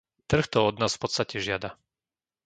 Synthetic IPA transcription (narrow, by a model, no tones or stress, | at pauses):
t̪r̩xt̪ɔɔd̪naːsfpɔtt͡sst̪acɛʒɪad̪a